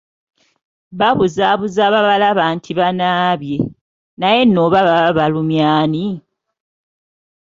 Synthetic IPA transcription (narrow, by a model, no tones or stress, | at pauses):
βaβuzaβuzaβaβalaβaːntʰiβanaːβje̞ | naje̞nːoβaβaβaβalumjaːni